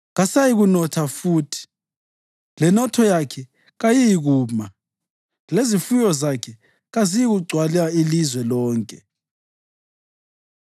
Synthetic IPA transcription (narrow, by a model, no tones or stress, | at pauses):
ɣasajiɣunɔtʰafuːtʰi̥ | lɛnɔtʰɔjakʰɛ | ɣajijiɣuːma | lezifujɔzakʰɛ | ɣazijiɣuɡ͡ǀʱwaliailizwɛlɔːŋkʼɛ